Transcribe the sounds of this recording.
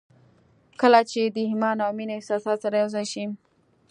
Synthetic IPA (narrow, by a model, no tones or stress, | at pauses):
kəlat͡ʃed̪əhɪmɑnɑminɪsɑsɑt̪saɾajawzajʃi